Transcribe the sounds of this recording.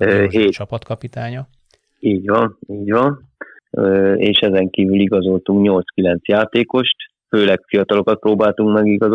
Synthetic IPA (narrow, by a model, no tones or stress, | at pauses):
ɦeːt͡ʃɒpɒt̪kɒpit̪aːɲɒ | iːɟʋɒniːɟʋɒn | øeːʃɛzɛŋkiːvyliɡɒzo̞lt̪uŋkɲo̞lt̪skilɛn̪t̪sjaːt̪eːko̞ʃt̪ | føːlɛkfijɒt̪ɒlo̞kɒt̪̚proːbaːlt̪uŋkmɛɡiɡɒz